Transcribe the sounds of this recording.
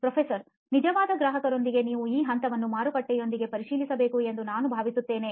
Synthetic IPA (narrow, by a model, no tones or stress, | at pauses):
pɾɐpʰesɐɾ | nid͡ʒɐʋaːd̪ɐɡɾaːɦɐkɐɾo̞nd̪iɡe̞niːʋuiːɦɐnt̪ɐʋɐnːumaːɾupɐʈːɛjo̞nd̪iɡe̞pɐɾiʃiːlisɐbe̞ːkue̞nd̪unaːnubʱaːʋisut̪ːeːne̞